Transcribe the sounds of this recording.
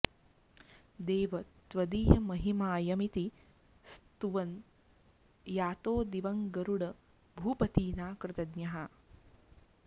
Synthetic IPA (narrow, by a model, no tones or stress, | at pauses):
d̪eːʋɐt̪ʋɐd̪iːjɐmɐɦimaːjɐmit̪i | st̪uʋɐn | jaːt̪oːd̪iʋɐŋɡɐɾuɽɐ | bʱuːpɐt̪iːnaːkɾɪt̪ɐd̪njɐɦa